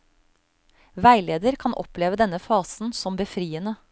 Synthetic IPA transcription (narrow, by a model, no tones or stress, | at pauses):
ʋæɪleːd̪əɾkʰɑnʔɔ̰pleːʋəd̪ɛnəfɑːsn̩sɔmbəfɾiːənə